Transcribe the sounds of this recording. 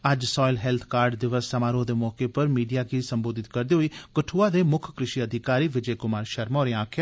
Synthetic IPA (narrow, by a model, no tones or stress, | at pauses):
əd͡ʒsɔːɪlɦɛːlt̪ʰkaːɾɖd̪ɪʋəsːəmaːɾõːd̪eːmɔːkeːpəɾmiːɖijaːkʰiːsəmboːd̪ɪt̪̚kəɾd̪iːɦoiːkəʈʰuːaːd̪eːmʊkʰkɾɪʃiːəd̪ʱɪkaːɾiːʋɪd͡ʒeːkʊmaːɾʃəɾmoːɾeãaːkʰjaː